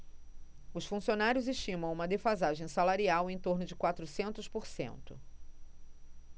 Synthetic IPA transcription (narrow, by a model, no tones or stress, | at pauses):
ʊsfũsionaɾjʊzeʃt͡ʃĩmɐ̃w̃ũmɐd̪efazaʒẽj̃salaɾiawẽj̃t̪oɾnʊd͡ʒɪkwat̪ɾʊsẽnt̪ʊspoɾsḛ̃nt̪ʊ̰